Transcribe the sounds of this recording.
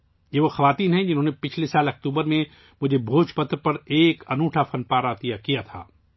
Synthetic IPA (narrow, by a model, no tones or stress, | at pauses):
jeʋoxɐʋaːt̪iːnɦɛ̃d͡ʒɪnɦõːnepɪt͡ʃʰlesaːlɐk̚t̪uːbəɾmẽ | mʊd͡ʒʱebʱoːt͡ʃpɐt̪ɾpɐɾeːkɐnuːʈʰafɐnpaːɾat̪ijakijat̪ʰa̰ː